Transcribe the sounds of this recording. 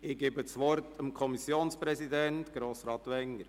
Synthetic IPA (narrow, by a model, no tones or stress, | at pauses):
ɪɡ̥eːbəsʋɔɾtəmkʰɔmisjoːnspɾɛsidɛntɡ̥ɾoːsɾɑːt̪ʋɛŋːəɾ